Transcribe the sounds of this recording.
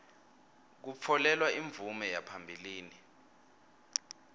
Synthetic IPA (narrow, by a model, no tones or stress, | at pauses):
k̬up̪fʰɔlɛlwaiɱvumɛjapʰambʱiliːni